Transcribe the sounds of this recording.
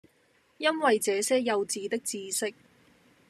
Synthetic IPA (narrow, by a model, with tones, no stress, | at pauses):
jɐ˥nwɐ˨jt͡sɛː˨˧sɛː˥jɐ˧wt͡siː˨˧t̪ɪ˥k̚t͡siː˧sɪ˥k̚